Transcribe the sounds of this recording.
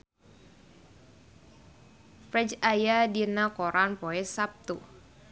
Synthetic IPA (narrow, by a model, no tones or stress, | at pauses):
fɾɛd͡ʒajadinakoɾanpoɛsap̚t̪u